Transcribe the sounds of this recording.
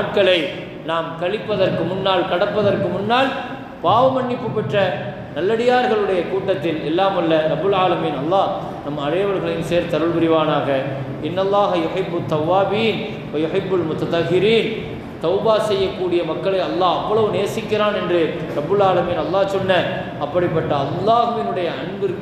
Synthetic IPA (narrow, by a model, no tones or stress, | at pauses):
aːʈ̚kɐɭɐɪ | naːmkɐɭɪpːɐðɐrkɯmʊnːaːlkɐɽɐpːɐðɐrkɯmʊnːaːl | paːʋɐmɐɳːɪpːɯpːɐʈrɐ | nɐlːɐɽɪjaːɾɣɐɭɯɽɐjɐkuːʈːɐt̪ːɪlɛlːaːmɐlːɐɾɐbːɯlaːlɐmiːnɐlˠːaː | nɐmːɐɐɻɐjɐʋɐɾɣɐɭɪnseːɾt̪ɐɾɯɭʋɪɾɪʋaːnaːɣɐ | ɪnːɐlˠːaːɦɐjʊħɪbːɐt̪ːɐʋːaːbiːn | ʋɐjʊħɪbːɐlmʊt̪ɐt̪ɐxːɪɾiːn | t̪ɐʊbaːsɛjːɐkːuːɽɪjɐmɐkːɐɭɐɪɐlːaːɐpːɐɭɐʋɯneːɾsɪkːɪɾaːnɛndrɯ | ɾɐbːɯlaːlɐmiːnɐlˠːaːsɔnːɐ | ɐpːɐɽɪpːɐʈːɐːlˠːaːɣɯʋɪnɯɽɐjɐɐɳbɪɾk